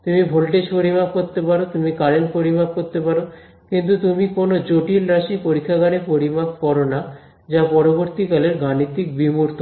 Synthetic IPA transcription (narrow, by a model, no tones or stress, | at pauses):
t̪umibʱolʈeʃpoɾimap̚koɾt̪ːepaɾot̪umikaɾenpoɾimap̚koɾt̪ːepaɾo | kint̪ut̪umikonod͡ʑoʈilɾaʃipoɾikʰːaɡaɾepoɾimap̚kɔɾona | d͡ʑapɔɾoboɾt̪ikaleɾɡanit̪ːik̚bimuɾt̪o